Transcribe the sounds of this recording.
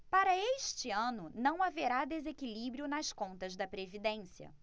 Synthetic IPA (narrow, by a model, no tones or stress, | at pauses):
paɾɐeʃt͡ʃɪɐ̃nʊnɐ̃w̃aveɾad̪ezekilibɾiʊnɐskõnt̪ɐzd̪ɐpɾevid̪ẽsiɐ̰